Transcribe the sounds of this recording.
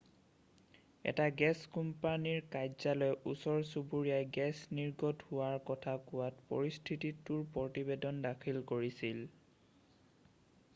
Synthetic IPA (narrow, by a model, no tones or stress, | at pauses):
ɛ̰taɡɛskumpaniɹkajzalɔjusɔɹsubuɹijajɡɛsniɹɡɔdhʊwaɹkɔtʰakʊwatpo̰ɹistʰititːʊɹpɔtibedɔndakʰilkoɹisil